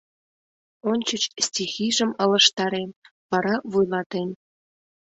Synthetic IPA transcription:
onʲt͡ɕət͡ɕstʲixiʒəmə̆lə̆ʃt̪ɑɾen | βɑɾɑβujlɑt̪en

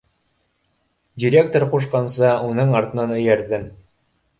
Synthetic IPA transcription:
dʲiɾʲekt̪oɾquʃ̬qɑnsɤunɤɴɑɾt̪ɤ̆nɑnɵ̆jæɾðɘm

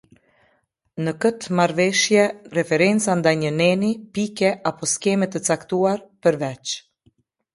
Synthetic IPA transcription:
nəkət̪maɾvɛʃjɛrɛfɛɾɛnt͡sand̪ajɲənɛnipikɛʔapɔskɛmɛt̪ət͡sakt̪uaɾpəɾvɛt͡ʃ

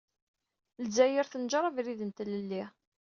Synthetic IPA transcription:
lzæjəɾθənʒɾˤɑvɾiðənt̪ləlːi

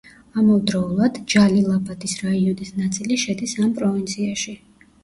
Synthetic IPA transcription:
amɔvd̪ɾɔulˠad̪d͡ʒalilˠapʼad̪isɾaiɔnisnat̪sʼiliʃɛd̪isampʼɾɔvint̪sʰiaʃi

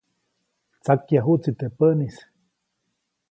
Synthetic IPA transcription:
t͡sakjaɦut͡sit̪epənis

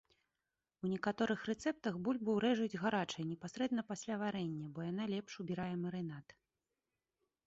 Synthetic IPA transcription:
unʲɛkat̪ɔɾɨxrɛt̪sɛp̚t̪ɐɣbulʲbɨwɾɛʐɨd͡zʲɣaɾat͡ʂɐjnʲɛpasɾɛd̪nɐpasʲlʲavaɾɛnʲːɐbɔjanalʲɛpʂubʲiɾajɛmɐɾɨnat̪

